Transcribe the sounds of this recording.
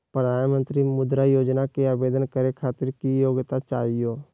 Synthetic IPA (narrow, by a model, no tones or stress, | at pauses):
pɾəd̪ʱaːnmə̃nt̪ɾimʊd̪ɾajoːd͡ʒnakeaːbeːd̪ənkəɾekʰaːt̪ɪɾkijoːɡt̪at͡ʃaːɦijoː